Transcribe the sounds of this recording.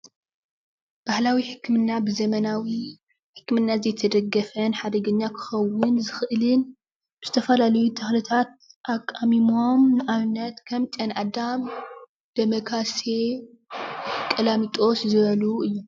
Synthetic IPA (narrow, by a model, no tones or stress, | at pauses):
b̥ahlawiħɨkːɨmɨnːabɨzɐmɐnawi | ħɨ̥kːmɨnːazɐjt̪ʰɐd̪ɐɡːɐfɐnħad̪ɐɡɐɲːakʰɨ̥xɐwːʊnzɨxɨʔɨlɨn | b̥ɨz̥ɨt̪ʰɐfɐlalɐjut̪ʰɐxlɨt̪ʰat̪̚ʔakʼːamimo̞mnɨʔaβnːɐt̪kʰɐmt͡ʃʼɐnʔad̪am | d̪̥ɐmɐkʰase | kʼɐlamit̪ʼo̞szɨβɐluʔɨjːu